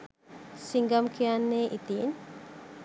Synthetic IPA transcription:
siŋɡamkʰijanːeʔit̪in

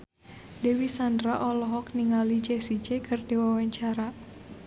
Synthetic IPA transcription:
dewisandɾaʔɔlɔɦɔkniŋalid͡ʒɛsid͡ʒekʰərdiwawaɲt͡ʃaɾa

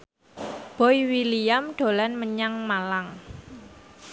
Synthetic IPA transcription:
b̥ɔjwilijamɖ̥o̤lanməɲaŋmalaŋ

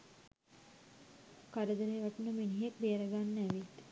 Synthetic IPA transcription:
kaɾəd̪əɾeːʋaʈənəminiɦek̚beəɾəɡanːæʋit̪

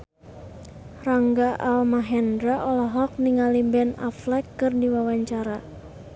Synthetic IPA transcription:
raŋɡaʔalmaɦɛndɾaʔɔlaɦɔk̚niŋalibɛna̰flɛkːɨrdiwawaɲt͡ʃaɾa

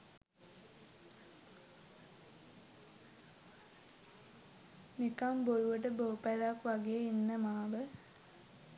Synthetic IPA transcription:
nikamboɾuʋəʈəboːpælakʋɐɡeinːəmaːʋə

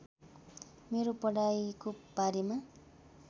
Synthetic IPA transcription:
meɾopʌɽajkobaɾema

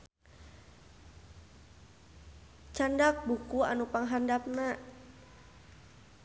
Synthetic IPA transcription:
t͡ʃandak̚bukua̰nupaŋɦandap̚naʔ

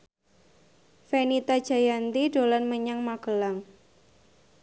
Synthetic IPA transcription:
fenit̪ad̥ʒ̥a̤jant̪iɖ̥o̤lanməɲaŋmakəlaŋ

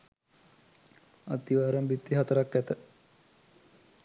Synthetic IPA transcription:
at̪iʋaːɾɐmbit̪ːiɦɐt̪əɾakːæt̪ə

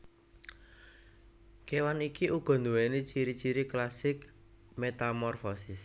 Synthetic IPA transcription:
kewanikiʔuɡ̥ɔ̤nd̪uwenet͡ʃiɾit͡ʃiɾiklasɪk | met̪amɔrfɔsɪs

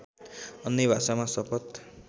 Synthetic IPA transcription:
ʌnːebʱasamasʌpʰʌt̪

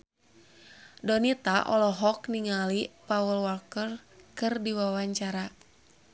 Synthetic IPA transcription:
dɔnit̪aʔɔlɔɦɔkniŋalipawəlwɔrkərkɨrdiwawaɲt͡ʃaɾa

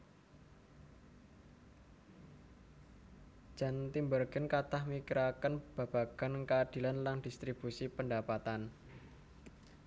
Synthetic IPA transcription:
d͡ʒ̥a̤nt̪imbərɡ̥ə̤nkat̪ahmikiɾakənb̥a̤b̥a̤ɡ̥a̤nkəad̪̥i̤lanlaŋd̥ist̪ɾib̥usipəndapat̪an

